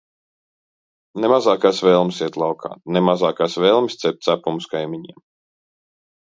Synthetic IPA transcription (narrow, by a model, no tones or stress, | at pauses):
nemazaːkaːsvɛːlˠmʲsiɛt̪lˠɑwkʰa̰ːnemazaːkaːsvɛːlˠmʲst̪sɛp̚t̪sapumskajmʲiɲiɛm